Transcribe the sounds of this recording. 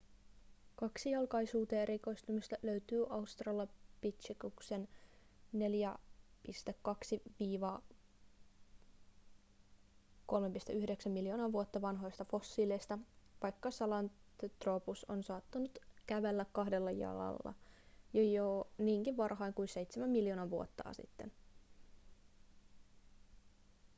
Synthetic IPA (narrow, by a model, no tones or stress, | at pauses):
kɑksijɑlkɑjsuːt̪eːeɾiko̞ist̪umist̪æløyt̪yːʔɑust̪rɑːlːɑpit̪t͡ʃikuksen | ne̞ljæpist̪ekːɑksiʋiːʋɑː | ko̞lmepist̪ḛyhdeksæmːiljo̞ːnɑːʋuot̪ːɑʋɑnɦo̞jst̪ɑfo̞sːiːlejst̪ɑʋɑjkːɑsɑlɑnt̪t̪ropuso̰nsɑːt̪ːunut̪kæʋelːækkɑhdelːɑjɑ̰lɑ̰lːɑ̰jojoniːŋkiʋʋɑrɦɑiŋkuinse̞jt̪semæmːiljo̞ːnɑʋuot̪ːɑ̰ːsḭt̪ːen